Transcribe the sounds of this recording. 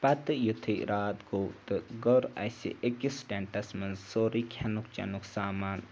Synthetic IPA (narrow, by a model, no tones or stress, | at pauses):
pɐt̪ɨjut̪ʰiɾʔaːt̪ɡoːt̪ɨɡɔɾɐ̰sḭʔekisʈeɳʈɐsmɐnzsoːɾikʰɐnukt͡ʃɐ̰nuksaːmaːn